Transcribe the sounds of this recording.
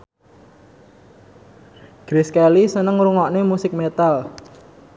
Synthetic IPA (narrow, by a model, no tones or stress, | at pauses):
ɡ̥ɾiskalisənəŋɾuŋɔʔnemusɪk̚met̪al